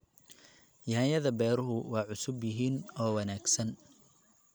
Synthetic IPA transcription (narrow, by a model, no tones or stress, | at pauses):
jaːjɐðɐbɛːɾʊɦʊwɑːʕʊsʊbjɪɦiːnɔːwɑnaːɡsɐn